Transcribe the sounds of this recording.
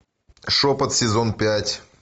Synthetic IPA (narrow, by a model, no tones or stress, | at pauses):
ʂopət̪sʲɪzonpʲætʲ